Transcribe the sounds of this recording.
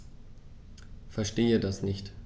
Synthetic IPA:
fɛɐʃteːədasnɪçt

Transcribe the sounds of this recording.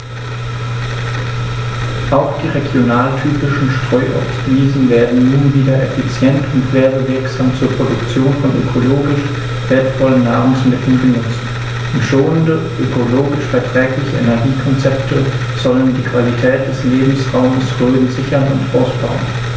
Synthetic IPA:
ʔaʊxd̥iːʁeɡjonaːltʰyːpɪʃn̩ʃtʁ̥ɔʏʔɔ̰fsviːzn̩veːɐdn̩ːnuːnviːdɐʔɛfit͡sjɛntʰʊntv̥eːɐbəvɪɐkz̥aːmt͡suːɐpʁ̥odʊkt͡sjoːnfɔnʔø̰kʰoloːɡɪʃ | v̥eːɐtfɔlənːaːʁʊŋsmɪtʰl̩nbənʊt͡sn | ʔʊntʃoːəndə | ʔøkʰoloːɡɪʃfɛɐtʁ̥ɛːklɪçəʔɛnɛɐɡiːkʰɔnt͡sɛptʰə | z̥ɔləndiːkv̥alitʰɛːt̚d̥ɛsleːbm̩sʁaʊməsʁøːn̩zɪçɐnʊntʔaʊsb̥a̰ʊən

